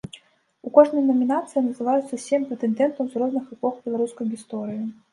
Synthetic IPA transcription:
ukɔʐnɐjnɐmʲinat̪sɨjɐnɐzɨvajut̪sɐsʲɛmʲpɾɛt̪ɛnd̪ɛnt̪ɐwzrɔznɨxɛpɔxbʲɛlˠaɾuskɐjɣʲist̪ɔɾɨji

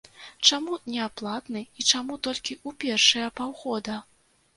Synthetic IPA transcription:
t͡ʂamunʲɛaplˠat̪nɨit͡ʂamut̪ɔlʲkʲiʔupʲɛrʂɐjɐpawɣɔd̪ɐ

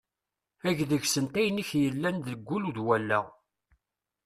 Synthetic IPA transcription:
æʝðəʝsənt̪æjniçjəlːænðəɡʷːuluðwælːæʁ

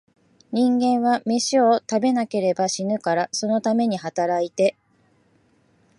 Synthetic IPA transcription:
ɲ̟ĩŋɡẽ̞ɰ̃βameɕio̞t̪abe̞nake̞ɾe̞baɕinɯ̟kaɾaso̞no̞t̪ame̞ɲ̟ihat̪aɾait̪e̞

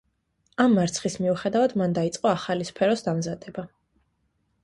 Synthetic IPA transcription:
amːaɾt̪sʰχismiuχɛd̪avad̪mand̪ait̪sʼqʼɔaχalispʰɛɾɔsd̪amzad̪ɛba

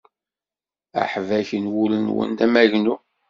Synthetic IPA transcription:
æ̰ħvæçənwulənwə̰nd̪æmæʝnu

